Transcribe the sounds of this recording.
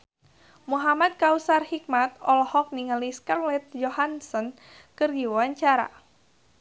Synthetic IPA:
muɦamat̪̚kausarhik̚mat̪̚ɔlɔhɔk̚niŋəliskərlɛt̪̚d͡ʒohansɔn | kərdiwwaɲt͡ʃaɾa̰

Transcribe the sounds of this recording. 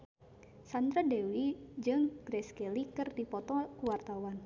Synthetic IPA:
sand̪ɾadɛwid͡ʒɨŋɡ̥ɾɛskɛlikɨrdipɔt̪ɔkəwart̪awan

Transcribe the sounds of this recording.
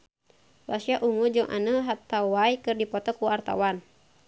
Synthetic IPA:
rasiaʔuŋud͡ʒɔŋʔa̰nəɦat̪awajkɨrdipɔt̪ɔkːuart̪a̰wan

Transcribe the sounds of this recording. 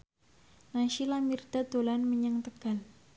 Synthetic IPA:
naʃilamird̪̥a̤d̪olanməɲəŋt̪əɡ̥a̤l

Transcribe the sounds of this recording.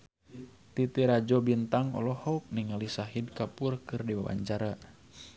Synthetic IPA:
t̪it̪iɾad͡ʒɔbint̪aŋɔ̰lɔhɔk̚niŋalisaɦid̚kapurkɨrdiwawa̰ɲt͡ʃaɾa

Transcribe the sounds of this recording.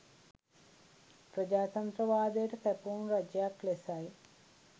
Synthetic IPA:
pɾəd͡ʒaːt̪ɐnt̪ɾəʋaːd̪əjəʈəpɛpuːnrad͡ʒjaklesaj

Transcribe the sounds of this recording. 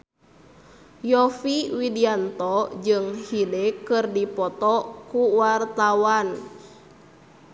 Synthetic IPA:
jɔfiwidiant̪ɔd͡ʒɨŋhidɛkɨrdipɔt̪ɔkuwart̪awan

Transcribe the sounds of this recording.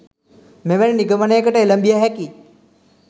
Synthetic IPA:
meʋeniniɡəmənejəkəʈəeləmbijaɦɛki

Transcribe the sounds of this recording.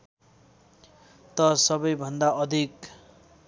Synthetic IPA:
t̪ʌsʌbʌjbʱʌnd̪aʔʌd̪ʱik

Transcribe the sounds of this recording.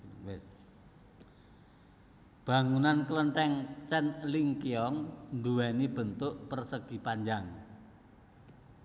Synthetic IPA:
wɛs | b̥ä̤ŋunankələnt̪ɛŋt͡ʃɛnliŋkiɔŋnd̪uwɛnib̥ə̤nt̪ʊʔpərsəɡ̥i̤paɲd͡ʒaŋ

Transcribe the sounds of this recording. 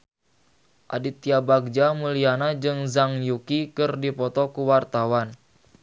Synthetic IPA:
ʔa̰dit̪iabaɡ̚d͡ʒamulianad͡ʒɨŋzaŋjukikɨrdipɔt̪ɔkuwart̪awan

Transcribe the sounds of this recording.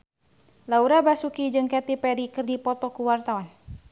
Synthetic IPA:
lauɾabasukid͡ʒɨŋkɛt̪ipɛɾikɨrdipɔt̪ɔkuwart̪awan

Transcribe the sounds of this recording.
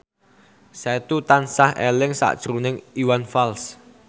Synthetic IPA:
sɛt̪ut̪ansahelɪŋsa̰ʔd̥ʒ̥ɾunɪŋiwanfals

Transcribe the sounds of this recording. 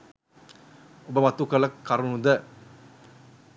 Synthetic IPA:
ubəmat̪ukələkːaɾunud̪ə

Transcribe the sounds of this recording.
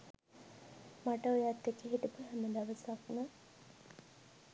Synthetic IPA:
maʈəojat̪ːekeɦiʈəpəɦɛməd̪aʋəsaknə

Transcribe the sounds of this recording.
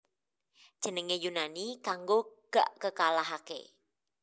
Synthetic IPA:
d̥ʒ̥ənəŋejunanikaŋɡoɡ̥a̰ʔkəkalaɦakḛ

